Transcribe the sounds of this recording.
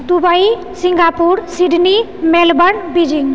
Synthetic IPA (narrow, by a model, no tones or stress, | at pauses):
d̪ubai | sɪ̃ŋɡapuɾsiɖʱni | melbəɳbid͡ʒɪŋɡ